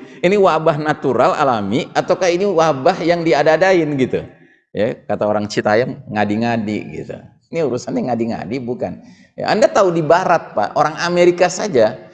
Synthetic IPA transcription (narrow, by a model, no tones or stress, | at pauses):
iniwabaɦnat̪uɾala̰lamiat̪aukahiniwabahjaŋdiadaːdaɪnɡit̪u | ja̰kat̪aoɾaŋt͡ʃit̪ajaŋŋadiŋadḭɡḭt̪ṵ | iniuɾusanɲaŋadiŋa̰dibuka̰n | ja̰andat̪audibaɾat̪̚pa̰oɾaŋameɾikasad͡ʒa